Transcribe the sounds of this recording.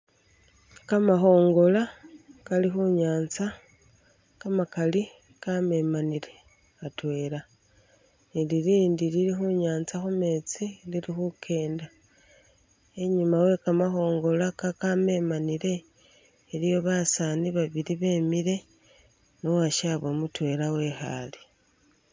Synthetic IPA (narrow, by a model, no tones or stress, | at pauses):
kamaxo̞ːŋɡo̞lakalixuɲaːnt͡sa | kamakali | kame̞manile̞ | atwe̞ːla | iliɾiːndililixuɲaːnt͡saxume̞t͡siliɾixukʰe̞ːnda | eɲumawe̞kamaxo̞ːŋɡo̞lakakame̞maniɾe̞ː | lijo̞βasaːniβaβiliβe̞ːmiɾe | nowaʃaβo̞mutwe̞lawe̞xa̰li̥